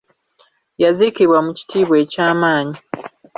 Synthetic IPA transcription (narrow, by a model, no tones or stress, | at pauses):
jazikiβwamuci̥tʰiːβwe̞ːcaːmaːɲi